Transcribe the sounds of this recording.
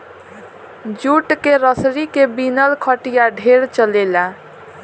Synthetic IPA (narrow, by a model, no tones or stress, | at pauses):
d͡ʒuʈkeɾəsɾikebinəlkʰəʈijaɖʱeɾt͡ʃəlela